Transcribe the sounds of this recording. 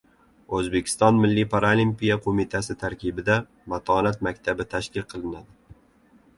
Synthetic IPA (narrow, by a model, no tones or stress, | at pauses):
ɵzbekʲʰɪ̥st̪ɒnmɪlːipʰaɾalimpijaqʰomɪt̪ʰasɪt̪ʰaɾkʲɪbɪd̪a | mat̪ʰɒːnat̪̚makʲt̪ʰabɪt̪ʰaʃkʲɪlˠqʰɨlˠɪnad̪ɪ